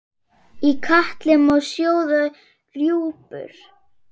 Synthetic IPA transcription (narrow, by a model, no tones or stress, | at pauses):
ikʰaht̪lɪmɔwsjoːwða | rjuːpʏ̰ɾ̥